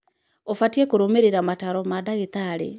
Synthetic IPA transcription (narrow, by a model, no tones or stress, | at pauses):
ofatiekoɾomeɾeɾamataɾɔmadaɣet̪aɾḛ